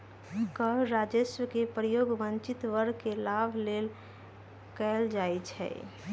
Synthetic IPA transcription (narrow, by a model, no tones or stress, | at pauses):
kəɾad͡ʒesʋəkepɾəjoɡʋənt͡ʃit̪ʋəɾkelabʱlel | kɛld͡ʒajt͡ʃʰɛ̰